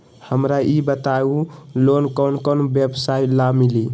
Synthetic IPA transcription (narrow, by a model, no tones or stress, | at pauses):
həmɾaibət̪aulonkɔnkɔnbjebsailamili